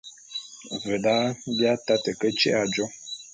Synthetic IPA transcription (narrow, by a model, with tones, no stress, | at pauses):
və˨da˦bja˦ta˦tə˨kə˦t͡ʃɛ̰˦a˨d͡ʒɔ˦